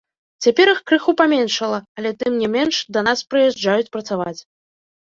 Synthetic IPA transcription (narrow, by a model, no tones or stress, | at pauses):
t͡sʲapʲɛɾɨxkɾɨxupamʲɛnʂɐlˠɐɐlʲɛt̪ɨmnʲɛmʲɛnʂd̪ɐnaspɾɨjɛʐd͡ʐajut͡sʲpɾɐt̪savat͡sʲ